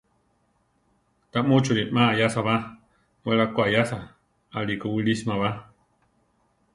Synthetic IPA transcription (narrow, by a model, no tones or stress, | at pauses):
t̪aʔmut͡ʃuɾimaːjasaβa | weɾakʷajasa | alikawilismaβa